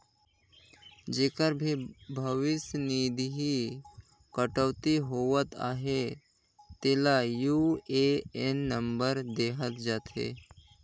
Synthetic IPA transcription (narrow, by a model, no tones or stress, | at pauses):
d͡ʒeːkəɾbʱibʱəʋɪsniːd̪ʱiɦi | kəʈəʋt̪iɦoːʋət̪a̰ːɦe | t̪eːlajuːeenːə̃mbəɾd̪eːɦət̪d͡ʒaːt̪ɦḛː